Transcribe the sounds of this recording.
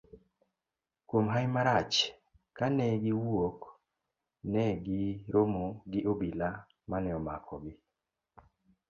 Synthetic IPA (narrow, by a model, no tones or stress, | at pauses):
kwomɦajmaɾat͡ʃ | kanɛɡiwok | nɛɡɪɾomoɡɪʔobila | manɛɔma̰kʰɔɡɪ